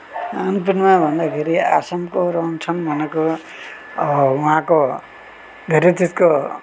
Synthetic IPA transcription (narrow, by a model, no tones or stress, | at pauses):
anpinmabʱʌnd̪akʰeɾiasamkoɾʌnsʰʌmbʱʌneko | uɦãko | d̪ʱeɾet͡sid͡zko